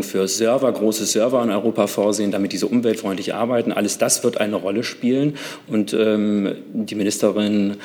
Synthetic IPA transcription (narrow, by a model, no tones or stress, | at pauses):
ŋfyːɐzœɐvɐɡʁoːsəz̥œɐvɐɪnɔʏʁoːpafoːɐzeːəndamɪt̚d̥iːzəʔʊmvɛltfʁ̥ɔʏntlɪçʔa̰ɐbaɪtn̩ʔa̰ləsd̥asv̥ɪɐtʔa̰ɪnəʁɔləʃpiːlənʔʊntʔɛːmdiːmɪnɪstəʁɪn